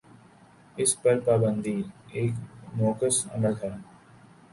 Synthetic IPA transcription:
ɪspɐɾpaːbə̃nd̪ʱieːknɔːkəsɐ̰məlt̪ʰɛː

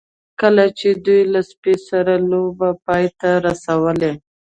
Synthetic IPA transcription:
kəlat͡ʃed̪ujlaspesaɾalobapɑjt̪aɾasawəle

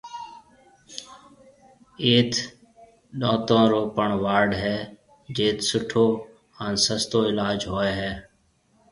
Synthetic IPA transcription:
eːt̪ʰ | ɗõːt̪ãːɾoːpəɳʋaːɾɖɦɛː | d͡ʒeːt̪sʊʈʰoː | ənsəst̪oːɪlaːd͡ʒɦoːeːɦɛː

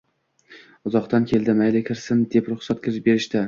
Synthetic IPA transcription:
ʊzɒqt̪ankʲʰe̞lˠd̪ɪmajlɪkʲʰɪɾsɪnd̪e̞pɾʊχsat̪̚kʲʰɪɾɪʃbe̞ɾɪʃt̪ɪ

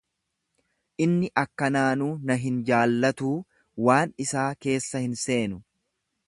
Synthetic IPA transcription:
ʔɪnːɪʔɐkːɐnaːnuːnɐɦɪnd͡ʒaːlːɐt̪uː | waːnɪsaːke̞ːsːɐhɪnse̞ːnʊ

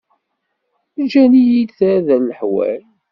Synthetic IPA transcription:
d͡ʒænijid̪θðælːəħwæ̰l

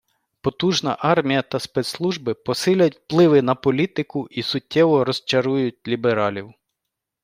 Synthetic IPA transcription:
pɔt̪uʒnɐ̰ʔɑrmʲijɐt̪ɐspɛt̪slˠuʒbɪpɔsɪlʲɐtʲwplˠɪʋɪnɐpɔlʲit̪ɪkʊʔisʊtʲːɛʋɔɾɔst͡ʃɐɾujʊt̚ʲlʲibeɾɑlʲiw

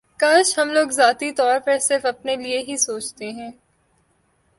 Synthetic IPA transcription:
kaːʃɦɐmloːɡzaːt̪it̪ɔːɾpɐɾsɪɾfɐpnelieɦisoːt͡ʃt̪eɦɛ̃ː

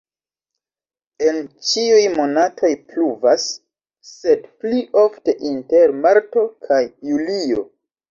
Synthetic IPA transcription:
e̞nt͡ʃiujmo̞natʰo̞jpluvasː | e̞dpliʔo̞fte̞ʔinte̞ɾmaɾto̞kʰajːulio̞̰

